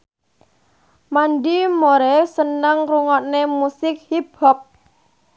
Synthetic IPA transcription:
manɖimoɾɛsənəŋruŋɔʔnemusɪk̚hib̥ɔp̚

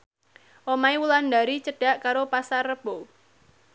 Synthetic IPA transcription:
ʔomaiwuland̪aɾit͡ʃəɖ̥a̤ʔkaɾopasarəb̥o

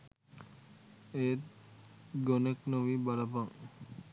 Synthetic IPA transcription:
et̪ | ɡoneknoʋibalɐpaŋ

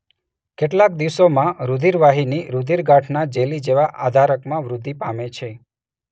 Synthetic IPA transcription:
keʈlak̚d̪iʋsomãɾud̪ʱiɾʋaɦiniɾud̪ʱiɾɡaʈʰnad͡ʒelid͡ʒeʋaʔa̰d̪ʱaɾəkmãʋɾʊd̪ʱːipamet͡ʃʰe

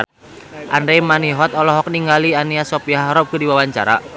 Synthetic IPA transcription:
ʔandɾɛmaniɦɔt̪ɔlɔɦɔk̚niŋɡalianiasɔpiahɾɔp̚kədiwawaɲt͡ʃa̰ɾa̰

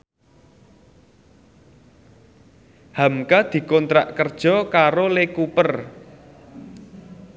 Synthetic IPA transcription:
hamkad̪̥i̤kɔnt̪ɾa̰ʔkərd̥ʒ̥ɔ̤kaɾolekupər

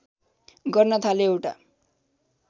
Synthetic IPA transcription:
ɡʌrnʌt̪ʰaleewʈa̰

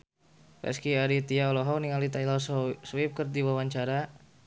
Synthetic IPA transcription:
pɛ̰skiaɾit̪iaɔlɔɦɔniŋalit̪ajlassuɪp̚kərdiwawaɲt͡ʃaɾa

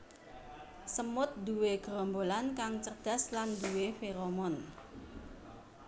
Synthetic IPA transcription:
səmʊt̪̚d̪uweɡ̥ɾɔmbolankaŋt͡ʃərd̪̥a̤sland̪uwefeɾomɔn

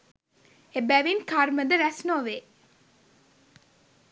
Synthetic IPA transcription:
ebæʋinkarməd̪əɾæsnoʋe

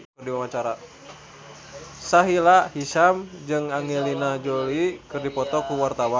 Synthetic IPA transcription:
rdiwamat͡ʃaɾa | saɦilahiʃamd͡ʒɨŋaŋɛlinad͡ʒolikɨrdipɔt̪ɔkuwart̪awa

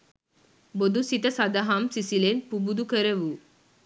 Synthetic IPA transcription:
bod̪ʱusit̪ɐsad̪ɐɦamsisilenpubud̪ukəɾəʋu

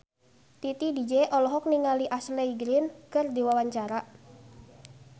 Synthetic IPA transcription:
t̪it̪idid͡ʒɛʔɔlɔɦɔk̚niŋaliʔasleiɡɾɪnkɨrd̪iwawaɲt͡ʃaɾa

